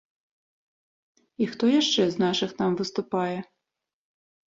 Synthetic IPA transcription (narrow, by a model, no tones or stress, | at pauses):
ixt̪ɔjaʂt͡ʂɛznaʂɨxnamvɨst̪upajɛ